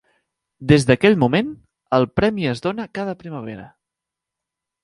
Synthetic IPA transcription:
d̪ezðəkɛʎmumen | əlˠpɾɛmiəzðonəkað̞əpɾiməβ̞eɾə̰

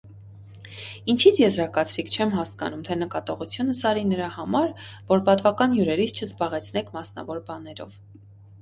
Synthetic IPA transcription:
int͡ʃʰit͡sʰjɛzɾɑkɑt͡sʰɾikʰt͡ʃʰɛmɦɑskɑ̰numt̪ʰɛnəkɑt̪ɔʁut͡sʰjunəsɑɾinəɾɑhɑmɑɾvɔɾpɑt̪vɑkɑnjuɾɛɾit͡sʰt͡ʃʰəzbɑʁɛt͡sʰnɛkʰmɑsnɑ̰vɔɾbɑnɛɾɔ̰v

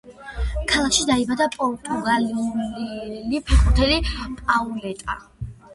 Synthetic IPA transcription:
kʰalˠakʃid̪aibad̪apʼɔɾt̪ʼuɡalu | lipʰɛkʼuɾt̪ʰɛlipʼaulɛt̪ʼa̰

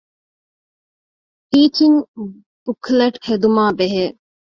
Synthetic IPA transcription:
piːt͡ʃiɲ | b̥ukʰleʈhed̪umaːbeɦeː

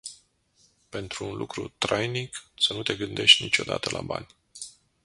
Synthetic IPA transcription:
pe̞nt̪ɾuːnlʔukɾut̪ɾajniksənut̪e̞ɡɨnd̪e̞ʃt̪ʲnit͡ʃo̞d̪a̰t̪əlʔaba̰nʲ

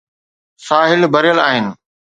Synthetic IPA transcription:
saːɦɪlbʱɐɾjəlaːɦɪnɪ̆

